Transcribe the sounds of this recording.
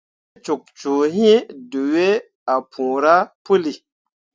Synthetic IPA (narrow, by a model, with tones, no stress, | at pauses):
t͡ʃu˨k̚t͡ʃo˨ɦĩ˦du˨we˦ | a˨pʰũ˨ɾa˦pu˦li˨